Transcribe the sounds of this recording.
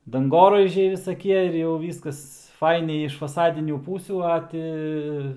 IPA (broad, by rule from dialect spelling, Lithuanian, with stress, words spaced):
dɐŋˈɡoːrɐɪʒʲɛɪ ʋʲɪsɐˈkʲiɛ ɪr jɛʊ ˈʋʲiːskɐs ˈfɐɪnʲɛɪ ɪʃ fɐˈsɑːdʲɪnʲuː ˈpuːsʲuː ˈɐ tʲɪ